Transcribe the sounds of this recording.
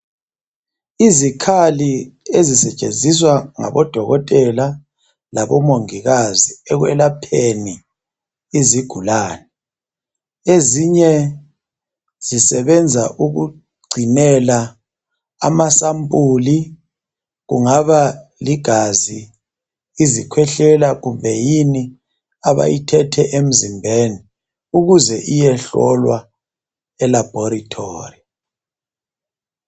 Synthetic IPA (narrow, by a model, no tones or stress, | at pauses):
izikʰaliezisɛt͡ʃʼend͡zʱiswaŋa̰βɔd̥ʱɔɣɔtʼɛla | laβɔmoŋiɣaziɛɣwɛlapʰeni | iziɡ̥ʱulaːnɛ | eziɲɛ | z̥isɛβɛnd͡zʱaʔuɣu | ɡ͡ǀʱinɛla | a̰masampʼuli | ɣṵŋaβaliɡ̥ʱaziː | zikʰwɛɬɛlaɣumbʱɛjini | aβa̰jitʰɛtʰɛʔem̩zimbʱeːni | uɣuzɛʔijɛɬɔ̰lwa̰ | ɛlab̥ʱɔɾitʰo̰ːri